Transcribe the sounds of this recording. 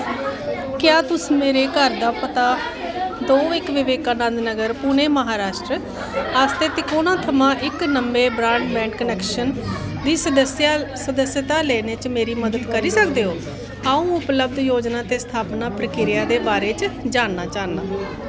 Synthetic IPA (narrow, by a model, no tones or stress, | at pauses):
kjaːt̪ʊsmeːɾeːkəɾd̪aːpət̪aːd̪oːɪkʋɪʋeːkaːnənd̪nəɡəɾpʊːneːməɦaːɾaːʃʈɾə | aːst̪eːt̪eːkoːnãːt̪ʰəmãːʔɪknəmbeːbɾãːɳʈbɛ̃ːɳʈkənɛːkʃənd̪iːsjsəd̪əsjət̪aːleːneːt͡ʃmeːɾiːməd̪əd̪kəɾiːsəkd̪eːɦoː | aːũːʊpləb̚d̪joːd͡ʒnãːt̪eːst̪ʰaːpnaːpʰɾəkɪɾɪjaːd̪eːbaːɾeːt͡ʃd͡ʒaːnːaːt͡ʃaːnːaː